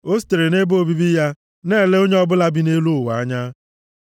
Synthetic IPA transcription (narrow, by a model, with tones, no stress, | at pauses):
o˦s̬i̥˦te˨ɾe˨ne˦bo˦bi˦bi˦ja˦ | neː˦˨le˦o˦ɲe˦ɔ˦bʊ˦la˦bi˦ne˦lu˦ʊ˨wa˨a˦ɲa˦